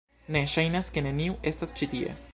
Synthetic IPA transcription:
neʃajnaske̞neniuʔe̞stast͡ʃit̪iḛ

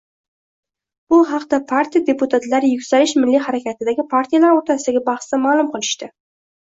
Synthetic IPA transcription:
b̥ʊɦɑqd̪apʰaɾt̪ʰijad̪e̞pʊt̪ʰat̪laɾɪjʊkʲsalɪʃmɪlːiɦaɾakʲat̪ʰɪd̪aɡʲɪpʰaɾt̪ʰijalaɾoɾt̪ʰasɪd̪aɡʲabɑχsd̪amaːlˠʊmqʰɨlˠɪʃt̪ɪ

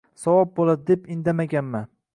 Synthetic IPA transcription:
sawɒp̚bolad̪d̪epɪnd̪amaɡʲanma

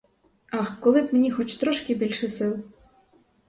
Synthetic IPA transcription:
ɑxkɔlˠɪbmenʲixɔt͡ʃt̪ɾɔʃkɪbʲilʲʃɛsɪlˠ

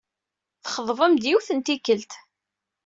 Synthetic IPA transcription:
θχəðˤvˤəmd̪jiwθənt̪ikːəlt̪

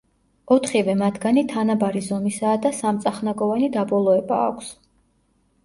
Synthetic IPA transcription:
ɔt̪ʰχivɛmat̪ʰɡanit̪ʰanabaɾizɔmisaːd̪asamt̪sʼaχnaɡɔvanid̪abɔlˠɔɛba̰ːkʷʰs

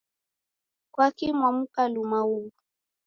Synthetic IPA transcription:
kwakimwam̩kalumauu

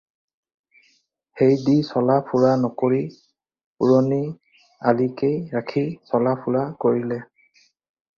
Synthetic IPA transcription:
xejdisɔlapʰuɹanɔkoɹi | puɹoni | alikejɹakʰisɔlapʰuɹakoɹilɛ

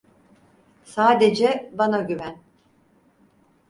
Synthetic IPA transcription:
saːd̪ed͡ʒɛbanaɟyvæn

